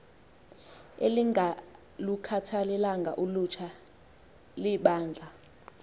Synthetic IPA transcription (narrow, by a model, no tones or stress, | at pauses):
eli | lukʰatʰalɛlaŋɡʱaʔulut͡ʃʰa | liɓaːnd͡ɮʱa